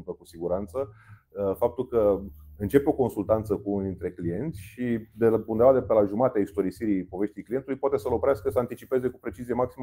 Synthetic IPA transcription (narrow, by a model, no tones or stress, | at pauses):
mpəkusiɡuɾant̪sə | fap̚t̪ulkəɨnt͡ʃe̞peo̞ko̞nsult̪ant̪səkuuniint̪ɾe̞klije̞nt̪sʲʃid̪eund̪evad̪epelaʒumat̪eaist̪o̞ɾisiɾipo̞ve̞ʃt̪ijklijet̪ulujpwat̪e̞səlopɾeaskəsəant̪it͡ʃipe̞ze̞kupɾe̞t͡ʃizijemaksim